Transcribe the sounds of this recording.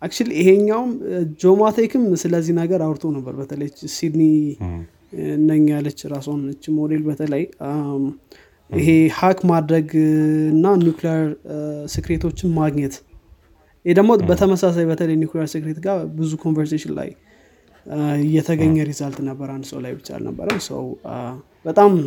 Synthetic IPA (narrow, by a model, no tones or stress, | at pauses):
ʔakt͡ʃuliɪheɲːawmd͡ʒomat̪ʰekʰɨmsɨləzːihnəɡəɾawɾt̪ʰonəbːə̰ɾbət̪ʰələjət͡ʃːsid̪ni | nəɲːjalət͡ʃːɾasonlət͡ʃːmo̞d̪e̞lbət̪ʰələj | ɨɦehakmad̪ɾəɡɨnːanjuklijəɾsɨkɾet̪ʰo̞t͡ʃːɪnmaɡɲɛt̪ | jhed̪əmobət̪ʰəməsas̬ajbət̪ʰələjnjuklijəɾsɨkɾet̪ɡabɨzukʰo̞nvəɾseʃɪnla̰j | jːɛt̪ʰəɡəɲːəɾizalt̪nəbːəɾand̪ɨsə̰wla̰jbɨt͡ʃːa̰lnə̰bːə̰ɾəwsə̰w | bət̪ʼam